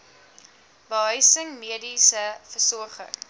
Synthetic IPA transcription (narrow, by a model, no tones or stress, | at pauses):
bəɦœɥsəŋmiədisəfərsɔrχə̰ŋ